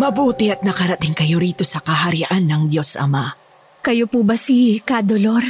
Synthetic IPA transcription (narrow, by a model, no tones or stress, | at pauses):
mɐbuːt̪ɪɐt̪̚nɐkɐɾɐt̪iŋkɐjo̞ɾiːt̪o̞sɐkɐɦɐɾiʔanːɐŋd̪jo̞sʔɐ̰ma | kɐjopubɐsikad̪oloɾ